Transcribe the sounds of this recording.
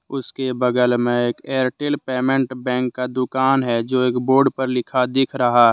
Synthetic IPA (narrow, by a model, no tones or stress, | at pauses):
ʊskebəɡəlmẽeːkeːɾʈelpeːmə̃ɳʈbɛ̃ːŋkːad̪ʊkaːnɦɛd͡ʒoːeːkboːɾɖpəɾlɪkʰad̪ɪkʰɾɐɦa